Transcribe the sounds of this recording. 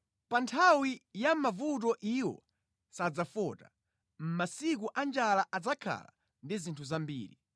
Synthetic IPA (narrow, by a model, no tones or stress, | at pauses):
pantʰawijamavut̬ɔʔiwɔ̰ | sad͡zafɔta̰ | m̩masik̬uʔand͡ʒalaʔad͡zakʰa̰la̰ | ndizintʰuzambḭːɾi